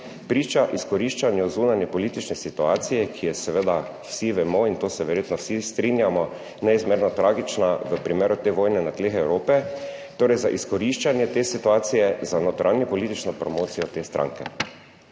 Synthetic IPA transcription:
pɾiːt͡ʃaʔiskɔɾiʃt͡ʃanjɛzuːnanjɛpɔliːt̪it͡ʃnɛsit̪uaːt̪sijɛkʰijɛsɛʋed̪a | wsiʋɛmoint̪oːsɛʋɛɾjeːt̪nɔwsist̪ɾinjamɔ | nɛizmeːɾnɔt̪ɾaːɡit͡ʃnaʋəpɾimeːɾʊt̪eːʋoːjnɛnat̪leːxɛwɾoːpɛ | t̪oːɾɛjza̰ʔiskɔɾiʃt͡ʃanjɛt̪eːsit̪uaːt̪sijɛzanɔt̪ɾʔanjipɔlit̪it͡ʃnɔpɾɔmoːt̪sijɔt̪eːst̪ɾʔã̰ŋkɛ̰

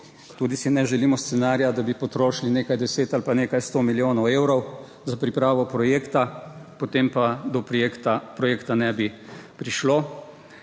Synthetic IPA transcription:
t̪uːd̪isinɛʒɛliːmɔst̪sɛnaːɾjad̪abipɔt̪ɾoːʃlineːkajd̪ɛseːt̪alpaneːkajst̪oːmiljoːnɔweːwɾɔw | zapɾipɾaːʋɔpɾɔjeːkt̪apot̪eːmpad̪ɔpɾjekt̪apɾɔjeːkt̪anɛbipɾiʃloː

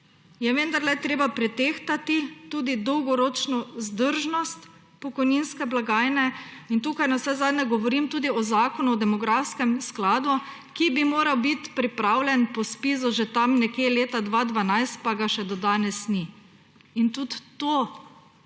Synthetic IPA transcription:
jɛʋənd̪aɾlɛt̪ɾeːbapɾɛt̪eːxt̪at̪it̪uːd̪id̪ɔwɡɔɾoːt͡ʃnɔzd̪əɾʒnɔst̪ | pɔkɔjninskɛblaɡaːjnɛint̪uːkajnawsɛzaːd̪nʲɛɡɔʋɔɾimt̪uːd̪iɔzaːkɔnuɔd̪ɛmɔɡɾafskɛmsklaːd̪u | kibimoːɾawbit̪pɾipɾaːwlʲɛnpɔspiːzuʒɛt̪amnɛkjeːleːt̪ad̪ʋad̪ʋanajst̪̚paɡaʃɛd̪ɔd̪aːnɛsni | int̪ut̪ːoː

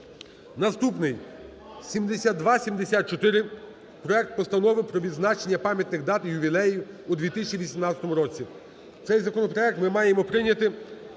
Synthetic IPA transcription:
nɐst̪upnɪj | sʲimd̪esʲad̪̚d̪ʋɑsʲimd̪esʲat̪̚t͡ʃɔt̪ɪɾɪ | pɾɔɛk̚t̪̚pɔst̪ɐnɔʋɪwpɾɔʋʲid̪znɑt͡ʃenʲːɐpɑmʲjɐt̪nɪxd̪ɑt̪jʊbʲilˠɛii | ud̪ʋʲit̪ɪsʲɪt͡ʃʲiʋʲisʲimnɑt̪ʲt͡sʲɐt̪ɔmʊɾɔt͡sʲi | t̪sɛjzɐkɔnɔpɾɔɛk̚t̪mɪmɑjemɔpɾɪnʲɐt̪ɪ

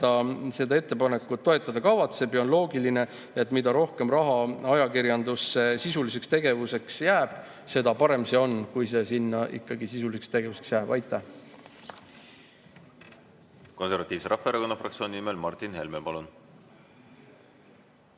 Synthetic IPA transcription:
ɑse̞d̪ɑe̞t̪ːe̞pɑne̞kːˑut̪ːo̞e̞t̪ˑːɑd̪̥ɑkɑvɑt̪se̞bjɑo̞nlo̞ːɡiline̞ | et̪ˑmid̪̥ɑɾo̞hke̞mrɑɦɑɑjɑkiɾjɑnd̪usːesisulise̞kst̪e̞ɡ̥e̞vuse̞ksjæːb̥se̞d̪̥ɑpɑɾe̞mseo̞nkujse̞sinːɑʔḭkːɑɡisisulisekst̪e̞ɡ̥e̞vuse̞ksjæːb̥ɑjt̪ːˑæh | ko̞nseɾvɑt̪ːˑiːvseɾɑfːeeɾɑko̞nːɑfrɑ̰k̚t̪sio̞ːnʲinimelmɑrt̪ːˑinhe̞lmepɑlun

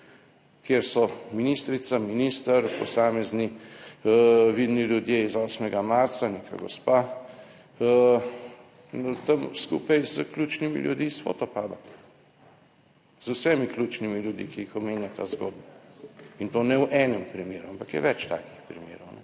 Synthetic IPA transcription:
kjeɾsɔminist̪ɾit̪saminiːst̪ɐɾpɔsaːmɛzni | ʋid̪niljud̪jeizɔːsmɛɡamaɾt̪saneka̰ɡɔ̰spa | t̪ɐmskṵːpɐjzəklʲut͡ʃnimḭljud̪isfo̰ːt̪ɔpaːba | z̥usɛmiklʲuːt͡ʃnimiljud̪ḭkiixɔmeːnjat̪aːzɡo̰ːd̪̚baint̪oːnɛwʔɛːnɛmpɾimeːɾuampakjɛ̰ʋɛt͡ʃt̪a̰ːki̥xpɾimḛːɾɔwnɛ

